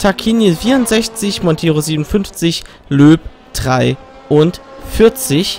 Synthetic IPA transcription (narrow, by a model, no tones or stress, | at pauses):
tʰakʰinjifiːɐʊntz̥ɛçt͡sɪçmɔntʰeːʁoziːbmnʊnfʏnft͡sɪç | løːp | d̥ʁaɪ | ʔʊntfɪɐt͡sɪç